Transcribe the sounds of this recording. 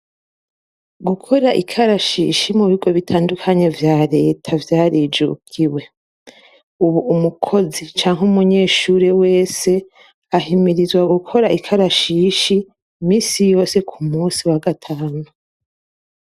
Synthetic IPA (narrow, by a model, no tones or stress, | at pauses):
ɡukʰo̞ɾaʔikʰaɾaʃḭːʃimuβiɡo̞βitʰaːndukʰaɲe̞vjaːɾe̞ːtʰavjaːɾid͡ʒṵkʰiwe̞ | uβuːmukʰo̞zit͡ʃaːŋɦumuɲe̞ːʃuːɾewe̞ːse̞ | aɦimiɾizwaɡukʰo̞ɾaikʰaɾaʃiːʃi | miːsijo̞ːse̞kʰumuːnsiwaɡatʰaːnu